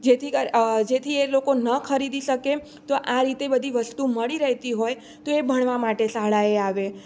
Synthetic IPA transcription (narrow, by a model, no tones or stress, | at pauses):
d͡ʒet̪ʰikəɾd͡ʒet̪ʰielokonəkʰəɾid̪iʃəke | t̪oʔaɾit̪ebəd̪ʱiʋəst̪uməɭiɾəɦt̪iɦoj | t̪oebʱəɳ̃ʋamaʈesaɦɭaeaʋe